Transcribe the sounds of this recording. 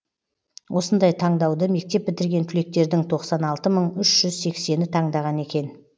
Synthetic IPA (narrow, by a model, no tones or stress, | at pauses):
wʔo̞sənd̪ɑjt̪ʰɑɴd̪ɑwd̪əme̞k̚t̪e̞p̚bɪt̪ɪɾɡʲe̞nt̪ʰʏle̞k̚t̪e̞ɾd̪ɪŋt̪ʰo̞qsɑnɑlˠt̪əməɴʏʃʒ̥ʏzse̞kse̞nɪt̪ʰɑɴd̪ɑʁɑne̞kʲe̞n